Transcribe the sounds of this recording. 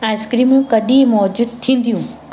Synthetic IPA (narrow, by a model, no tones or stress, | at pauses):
ãɪskɾimjũkɐɗĩːmɔːd͡ʑud̪̚t̪ʰĩːn̆d̪ʱjũː